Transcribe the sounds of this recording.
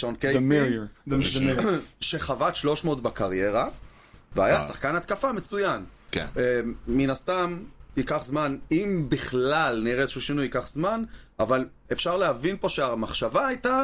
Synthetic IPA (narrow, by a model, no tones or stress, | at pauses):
ʃonkej | ʃe̞χavatʃlo̞ʃmootbakaʁje̞ʁa | vea̰jasaχkanat̪kafame̞t͡sujankḛnːinast̪amikaχzmanimbiχlalniʁezeʃuːʃinujikaχzmanaval | e̞fʃaʁleavinpo̞ʃeamaχʃavaːjta